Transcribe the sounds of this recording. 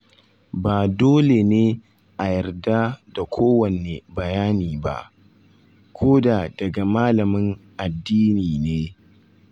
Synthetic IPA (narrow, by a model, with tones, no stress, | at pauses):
baː˨doː˦le˨neː˦ | ʔa˨jɐ˨rda˦da˨kʷʰoː˦wɐ˨ne˨bɐ˨jaː˦niː˨ba̰˦ʔ | kʷʰoː˦da˨dɐ˨ɡa˨maː˦lɐ˨mɪ˦ŋʔa˨dːiː˦niː˨neː˦